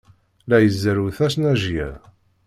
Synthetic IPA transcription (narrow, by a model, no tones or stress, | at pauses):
læjəzːəɾuθæsnæʒjæ̰